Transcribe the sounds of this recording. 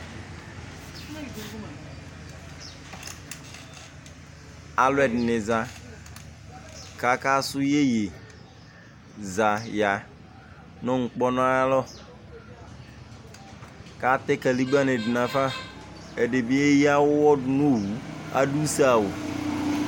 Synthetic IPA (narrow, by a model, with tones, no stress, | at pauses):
a˨lwɛ˦˨dnɪ˨za˨ | ka˨˦ka˦sʊ˦je˦je˨ | za˨ja˨ | nɔ̃˦ŋ̩˨k͡pɔ˦nɔ̃˦a˦lɔ˦ | ka˦t̪ɛ˦ka˨li˦ɡ͡ba˦ne˨dɪ˨nã˨fa˦ | ɛ˨de˨bi˦e˦ji˦a˦wʊ˦wɔ˦dʊ˨no˦wu˨a̰˦du˦sa˦˨wʊ˨